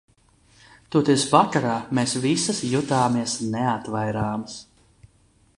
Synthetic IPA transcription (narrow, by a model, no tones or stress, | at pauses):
t̪uɔt̪esvakaɾaːmeːsvisɨsjut̪aːmiɛsneat̪vajɾaːms